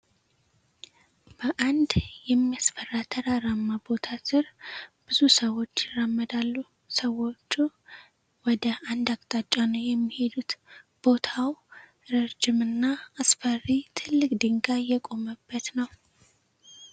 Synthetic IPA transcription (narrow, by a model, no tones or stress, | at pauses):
b̥əʔand̪jɛmːiasfərːat̪ʰəɾaɾamːabo̞t̪ʰasɨɾb̥ɨzusəwo̞t͡ʃːɪrəmːəd̪alːu | səwo̞t͡ʃːu | wɔd̪əand̪akʼt̪ʼat͡ʃʼːanəwjɛmːihe̞d̪ut̪b̥o̞t̪ʰaw | ɾəɾd͡ʒɪmɨnːaːsfərːit̪ʰɨlːɨkʼd̪ɨŋɡajɛkʼo̞məbːət̪nəw